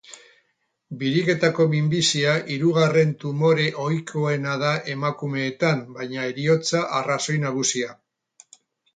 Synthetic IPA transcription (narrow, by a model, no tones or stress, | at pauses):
biɾike̞t̪ako̞βimbisiaʔiɾuɣare̞nt̪umo̞ɾe̞ʔo̞jkʰo̞e̞nað̞aʔe̞makume̞ːt̪ambajɲae̞ɾio̞t͡saʔaraso̞jnaɣ̞usia